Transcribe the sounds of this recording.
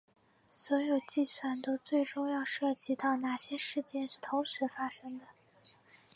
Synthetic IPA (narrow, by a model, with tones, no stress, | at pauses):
swɔ˧˥jo˨˩ʊt͡ɕi˥˧swa˥˩nt̪o˥ʊt͡swe˥˩ɪʈ͡ʂʊ˥˧ŋjɑ˥˧ʊʂɤ˥˩t͡ɕi˧˥t̪ɑ˥˩ʊna˨˩ɕjɛ˥ʂɻ̩˥˧t͡ɕjɛ˥˧nʂɻ̩˥˩t̪ʰʊ˧˥ŋʂɻ̩˧˥fa˥ʂɤ˥ŋd̪ə˨